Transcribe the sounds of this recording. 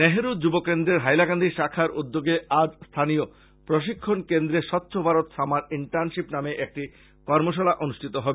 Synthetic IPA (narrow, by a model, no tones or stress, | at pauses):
neɦeɾud͡ʑubokend̪ɾeɾɦajlaɡand̪ʱiʃakʰaɾud̪ːoɡead͡ʑst̪ʰanijo | pɾoʃ̬ikʰːonkend̪ɾeʃɔt̪ːɕʰobʱaɾot̪ʃʰamaɾiɳʈaɾnʃipnameʔek̚ʈi | kɔɾmoʃ̬alaʔonuʃʈʰit̪oɦɔbe